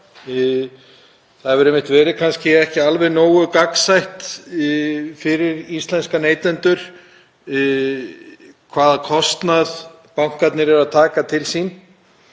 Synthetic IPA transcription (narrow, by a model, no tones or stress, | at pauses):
θaðɛvʏɾejmːɪnt̪vɛːɾɪkʰanscɪɛhcɪalvɛðnoːwɣʏkaksajht̪ | fɪɾɪɾist̪lɛnskaneːjt̪ɛnt̪ʏɾ̥ | kʰvaːðakʰɔst̪nað | pawŋ̥kat̪nɪɾɛɾaðt̪ʰaːkat̪ʰɪlsin